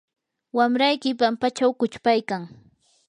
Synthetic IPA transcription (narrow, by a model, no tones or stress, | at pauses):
wamɾajkɪpampat͡ʃawkʊt͡ʃpajkaŋ